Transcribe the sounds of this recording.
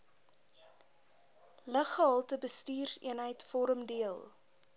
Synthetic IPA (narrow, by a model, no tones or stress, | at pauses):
ləχəɦɐlˠtəbəstiːrsḭənɦəjtfɔɾəmdiəlˠ